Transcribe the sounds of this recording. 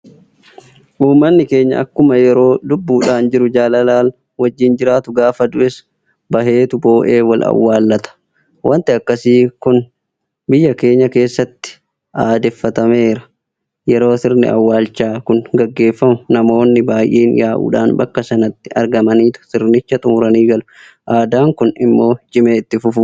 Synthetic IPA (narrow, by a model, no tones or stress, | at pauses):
ʔuːmːɐnːɪke̞ːɲːɐ̰ʔɐkːʊmɐjɛɾo̞ːd̪ʊbːuːᶑaːnd͡ʒɪɾʊd͡ʒaːlɐlaːl | wɐd͡ʒːɪnd͡ʒɪɾaːt̪ʊɡaːfɐd̪ʊʔɛs | bɐɦe̞ːt̪ʊbo̞ːʔe̞ːwɐlɐ̰wːaːlːɐt̪ɐ̥ | wʔɐnt̪ɪɐkːɐsiːkʊn | bɪjːɐke̞ːɲːɐke̞ːsːɐt̪ːɪ̥ | ʔaːd̪ɛfːɐt̪ɐme̞ːɾɐ̥ | jɛɾo̞ːsɪɾnɪ̰ɐ̰wːaːlt͡ʃːaːkʊnɡɐɡːe̞ːfːɐmʊnɐmo̞ːnːɪbaːjʔeːnjaːʔṵːᶑa̰ːnbɐkːɐsɐnɐt̪ːɪɐ̰ɾɡɐmɐniːt̪ʊ̥sɪɾnɪt͡ʃːɐt̪ʼʊmʊɾɐniːɡɐlʊ | ʔaːd̪aːŋkʊnɪmːo̞ːɪt͡ʃɪmeːɪt̪ːɪfʊfʊ